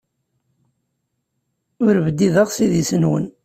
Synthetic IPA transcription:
ʊɾvəd̪ːiðəʁsiðisənwə̰n

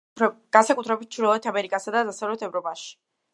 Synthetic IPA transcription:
ɡ̥ansakʼut̪ʰɾɛbit̪̚t͡ʃʰuɾɛlɔɛt̪ʰamɛɾikʼasad̪azasavlɛt̪ʰɛvɾɔpʼaʃi̥

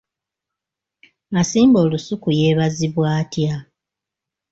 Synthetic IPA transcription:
masiːmbo̞ːlusukujeβaziβwaːtja

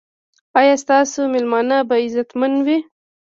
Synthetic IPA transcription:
ɑjɑst̪ɑsomɪlmɑnabaɪzat̪manwi

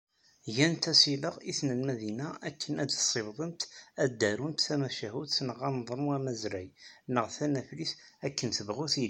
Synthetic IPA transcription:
jænt̪æsiləʁisnəlmæðinaʔækʰːənæd̪sˤːebðˤənt̪æd̪ːæɾunt̪θæmæʃæɦud̪θnəʁɑnðˤənuæmæzɾæjnəʁθænæfliθækːənθəvʁuθil

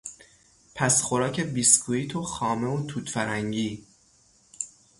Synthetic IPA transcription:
pʰæsxo̞ɾɒːcʰe̞biskʰuiːt̪ʰoxɒːme̞ot̪ʰuːt̪fæɾæŋɟiː

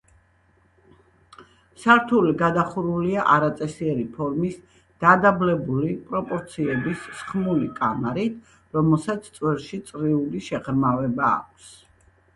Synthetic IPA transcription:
saɾt̪ʰuliɡad̪aχuɾuliaʔaɾat̪sʼɛsiɛɾipʰɔɾmis | d̪̥ad̪ablɛbulipʼɾɔpʼɔɾt̪sʰiɛbisːχmulikʼamaɾit̪ʰ | ɾɔmɛlˠsat̪sʰt̪sʼwɛlˠʃit̪sʼɾiuliʃɛʁɾmavɛba̰ːk̚ʷʰs

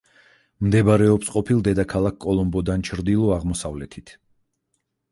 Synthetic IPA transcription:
md̪ɛbaɾɛɔpsqʼɔpʰilˠd̪ɛd̪akʰalˠakkʼːɔlˠɔmbɔd̪ant͡ʃʰɾd̪ilˠɔaʁmɔsavlɛt̪ʰit̪ʰ

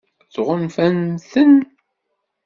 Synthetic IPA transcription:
t͡sʁənfænθən

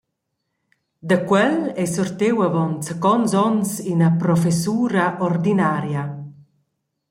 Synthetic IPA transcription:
d̪əkwɛlɛsɔrt̪ewavɔnt͡səkɔnsɔnsinəpɾɔfesuːɾaʔɔrd̪inaːɾja

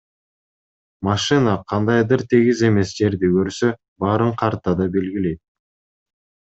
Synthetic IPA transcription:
mɑʃɨnɑqʰɑnd̪ɑjd̪ɯɾt̪ʰiɡize̞me̞sd͡ʒe̞ɾd̪ikøɾsø | bɑɾɯɴqʰɑɾt̪ɑd̪ɑbe̞lɡile̞jt̪̚

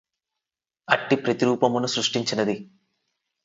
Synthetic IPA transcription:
ɐʈːipɾɐt̪iɾuːpɐmunusɾuʂʈiɲt͡ʃinɐd̪i

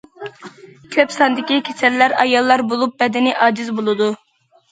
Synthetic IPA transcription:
kʲʰøpsɑnd̪ɪkʲikʲʰet͡ʃ̪ʰɛlːæɾɑjɑlˠːɑɾbolˠup̚bɛd̪ɪnɪʔɑːd͡ʒizbolˠɨd̪u

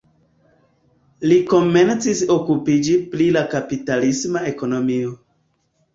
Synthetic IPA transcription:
liko̞me̞nt͡siso̞kupid͡ʒiplilakapitalismae̞ko̞no̞mio

